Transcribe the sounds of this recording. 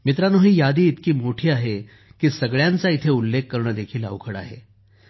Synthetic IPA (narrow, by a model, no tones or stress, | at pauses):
mit̪ɾanoɦiːjad̪ʱiːt̪kiːmoʈʰiːaɦe | kiːsəɡɭjant͡sait̪ʰeulːekːəɾɳəːd̪ekʰiːla̰ʋkʰəɽa̰ɦḛ